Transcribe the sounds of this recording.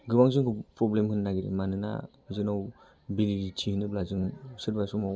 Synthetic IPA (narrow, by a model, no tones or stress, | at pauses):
ɡɯbaŋzɯŋkʰɯpɾɔblemhɯnːaɡiɾḭmanɯna̰ | zɯnaw | biliɾitʰihɯnɯplazɯŋsɯɾbajsumaw